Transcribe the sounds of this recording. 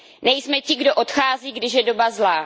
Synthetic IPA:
nɛjsmɛcɪɡdoʔo̞t̪xaːziːɡdɪʃjɛdo̞bazlaː

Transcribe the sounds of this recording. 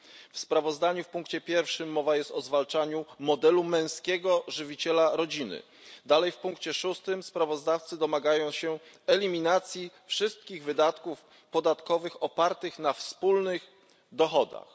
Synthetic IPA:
fspɾavɔzd̪aɲufpuŋkt͡ɕɛpʲjɛɾfʂɘmːɔvajɛst̪ɔzvalt͡ʂaɲumɔd̪ɛlumɛ̃w̃skʲɛɡɔʐɘvʲit͡ɕɛlaɾɔd͡ʑinɘ̰ | d̪alɛjfpuŋkt͡ɕɛʂust̪ɘmspɾavɔzd̪aft̪sɘd̪ɔmaɡajɔ̃w̃ɕɛ | ɛlʲimʲinat̪sʲjifʂɘst̪kʲiɣvɘd̪at̪kuf | pɔd̪at̪kɔvɘxɔpaɾt̪ɘxnafspulnɘx | d̪ɔxɔd̪a̰x

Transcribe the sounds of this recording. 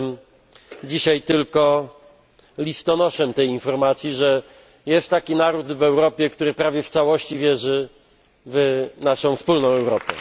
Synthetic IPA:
m | d͡ʑiɕajt̪ɘlkɔ | lʲist̪ɔnɔʂɛmt̪ɛjinfɔɾmat̪sʲjiʐɛ | jɛst̪ːakʲinaɾud̪vɛwɾɔpʲjɛkt̪uɾɘpɾavʲjɛft̪sawɔɕt͡ɕivʲjɛʐɘ | vnaʂɔ̃w̃fspulnɔ̃w̃ɛwɾɔpʲɛ̰

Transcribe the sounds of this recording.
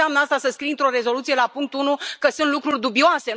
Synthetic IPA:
amnəast̪asəskɾint̪ɾo̞ɾe̞zo̞lut̪sije̞lapuŋk̚t̪unukəsunt̪lukɾurʲd̪ubioase̞

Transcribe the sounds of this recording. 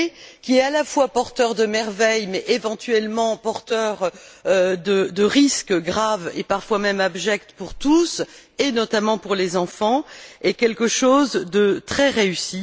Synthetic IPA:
kʲiɛalafwapɔʁt̪œʁd̪əmɛʁvɛjmɛʔevɑ̃t̪ɥɛlmɑ̃pɔʁt̪œʁød̪əd̪əʁiskɡʁavḛpaʁfwamɛmabʒɛk̚t̪puʁt̪us | enɔt̪amɑ̃puʁlezɑ̃fɑ̃ɛkʲɛlkəʃozd̪ət̪χɛʁeysi

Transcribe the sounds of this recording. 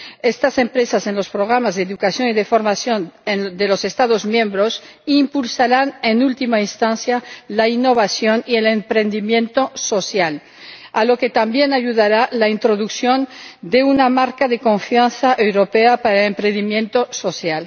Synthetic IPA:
est̪ase̞mpɾe̞sase̞nlo̞spɾoɣ̞ɾamazðeeðukasjo̞niðefo̞ɾmasjoned̪elo̞sest̪aðo̞zmjẽmbɾo̞s | impulsaɾanenult̪imainst̪anθjalainːo̞βasjo̞niele̞mpɾe̞nd̪imjẽ̞nt̪o̞so̞sjal | alo̞ke̞t̪ambje̞naʎuðaɾalaint̪ɾo̞ðuksjo̞nd̪eunamaɾkaðe̞ko̞ɱfjanθaʔewɾo̞peapaɾaelempɾẽnd̪imjẽ̞nt̪o̞so̞sjal

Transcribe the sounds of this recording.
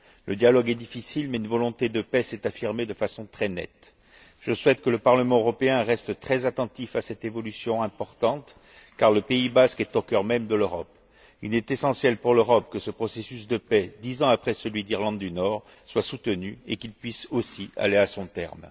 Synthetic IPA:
lʔəd̪jalɔɡɛd̪ifisilmɛynvɔlɔ̃t̪ed̪əpɛsɛt̪afiʁmed̪əfasɔ̃t̪χɛnɛ̰t̪ | ʒ̥əswɛt̪kələpaʁləmɑ̃øʁɔpeɛ̃ʁɛst̪t̪χɛzat̪ɑ̃t̪ifasɛt̪evɔlysjɔ̃ɛ̃pɔʁt̪ɑ̃t̪ | kaʁləpeibaskɛt̪okœʁmɛmd̪əløʁɔp | ilɛt̪esɑ̃sjɛlpuʁløʁɔpkəsəpχɔsesysd̪əpɛd̪izɑ̃apχɛsəlɥid̪iʁlɑ̃d̪ːynɔʁ | swasut̪ənyekilpɥisosia̰leasɔ̃t̪ɛ̰ʁm

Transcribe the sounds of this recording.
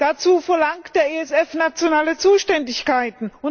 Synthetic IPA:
d̥at͡suːfɛɐlaŋkd̥eːɐeːɛsɛfnat͡sjonaːlət͡suːʃtɛndɪçkaɪtn̩ʊ

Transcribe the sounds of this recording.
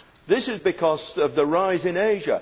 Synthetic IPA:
ðɪsɪzbɪkʰʌzəvðəɹaɪzɪ̃neɪʒə̰

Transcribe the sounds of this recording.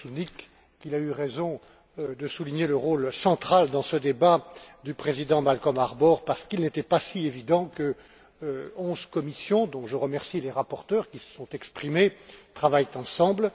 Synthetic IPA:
sunikː | ilayʁezɔ̃ | d̪əsuliɲeləʁolsɑ̃t̪χald̪ɑ̃səd̪ebad̪ypχezid̪ɑ̃malkɔ̃maʁbɔʁpaʁsə̥kilnet̪ɛpasievid̪ɑ̃kə | ɔ̃zkɔmisjɔ̃d̪ɔ̃ʒəʁəmɛʁsileʁapɔʁt̪œʁkʲisə̥sɔ̃t̪ɛkspχimet̪χavajt̪ɑ̃sɑ̃bl

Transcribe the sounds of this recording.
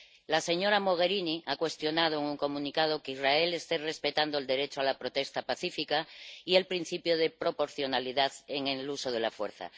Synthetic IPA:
lase̞ɲo̞ɾamo̞ɣ̞e̞ɾiniakwe̞st̪jo̞nað̞oeŋuŋko̞mũnikaðokeizrae̞le̞st̪ere̞spe̞t̪and̪oeld̪e̞ɾet͡ʃoalapɾot̪e̞st̪apaθifikaie̞lpɾin̟θipjoð̞e̞pɾo̞po̞ɾθjo̞naliðaðeŋeluso̞ð̞e̞lafweɾθa̰

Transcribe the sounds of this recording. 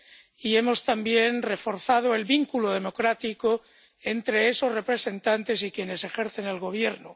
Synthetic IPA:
ie̞mo̞st̪ambje̞nre̞fo̞ɾθað̞oe̞lβiŋkuloðe̞mo̞kɾat̪iko | e̞nt̪ɾe̞eso̞zre̞pɾe̞se̞nt̪ant̪e̞sikje̞ne̞se̞xe̞ɾθe̞nalɣo̞β̞je̞ɾno

